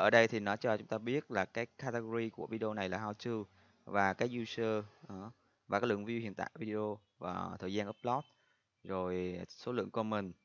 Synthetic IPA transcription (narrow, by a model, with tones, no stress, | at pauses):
ʔəː˧˩ɗə˧jt̪ʰi˨˩nɔ˨˦t͡ɕɔ˧t͡ɕʊ˨˦ŋ͡mt̪aː˧ɓi˦˥ət̚laː˨˩kaː˨˦jkaː˧t̪e˧ɣo˧ɾi˧ku˧˩əvi˧ɗi˧ʔo˧na˨˩jlaː˨˩haː˧wt͡ɕɨ˧w | vaː˨˩kaː˨˦j̚zu˧səː˧˨˦ | vaː˨˩kaː˦lɨ̰˧˨əŋvi˧whḭ˧˨ənt̪a̰ː˧˨jvi˧ɗi˧o˧ | vaː˨˩t̪ʰəː˨˩jzaː˧ʔə˦˥p̚lɔ˦˥t̚ | zo˨˩jso˨˦lɨ̰˧˨əŋkɔ˧mï˨˩ŋ̟